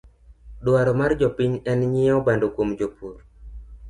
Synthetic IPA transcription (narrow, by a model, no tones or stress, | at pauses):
ɗwaɾɔmard͡ʒɔpiɲɛnɲɪɔbandokomd͡ʒopuɾ